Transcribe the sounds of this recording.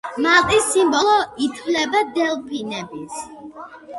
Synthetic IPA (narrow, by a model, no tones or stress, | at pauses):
malˠt̪ʼisimbɔlˠɔit̪ʰvlɛbad̪ɛlˠpʰinɛbis